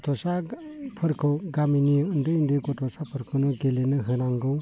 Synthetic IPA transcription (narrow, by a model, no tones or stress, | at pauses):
tʰɔsapʰɯɾkʰɯwɡaminiɯndɯjndɯjɡɔtʰɔsapʰɯɾkʰɯnɯɡelenɯɦɯnaŋɡɯ